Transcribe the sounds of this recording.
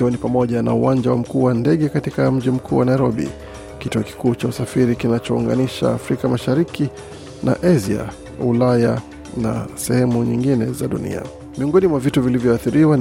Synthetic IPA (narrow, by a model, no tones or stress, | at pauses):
ɔnipamɔʄana̰uwaɲd͡ʒawam̩kuːwandɛɠɛkatikam̩ʄim̩kʰṵːwanaiɾɔɓḭ | kituɔki̥kuːt͡ʃausafiɾikinat͡ʃɔṵŋɡa̰niʃa̰ːfɾikamaʃaɾiki | nʔa̰ʔazia̰ | ulaja | na̰sɛhɛmuɲiŋɡinɛzaɗṵnḭa̰ | miɔŋɡɔnimwavituvilivjɔaθiɾiwa